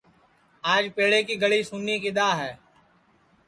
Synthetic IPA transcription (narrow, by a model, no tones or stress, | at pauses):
aːd͡ʒpeːɽeːkiːɡəɭiːsuːniːkiɗ̪aːɦɛː